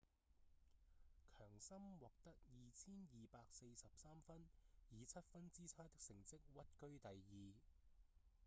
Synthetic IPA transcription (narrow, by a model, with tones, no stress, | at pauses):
kʰœː˨˩ŋsɐ˥mwɔː˨˩k̚t̪ɐ˥k̚jiː˨t͡sʰiː˥njiː˨paː˧k̚se˧jsɐ˨p̚saː˥mfɐ˥njiː˨˧t͡sʰɐ˥t̚fɐ˥nt͡siː˥t͡sʰaː˥jt̪ɪ˥k̚sɪ˨˩ŋt͡sɪ˥k̚wɐ˥t̚kɵ˥ɥt̪ɐ˨jjiː˨